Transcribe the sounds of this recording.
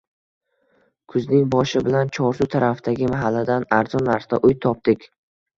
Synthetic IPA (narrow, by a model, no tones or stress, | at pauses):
kʰʊznɪŋbɒʃɪbɪlant͡ʃʰɒɾsut̪ʰaɾafd̪aɡʲɪmaɦalːad̪anaɾzɒnːaɾsd̪aʔʊjt̪ʰɒp̚d̪ɪkʲ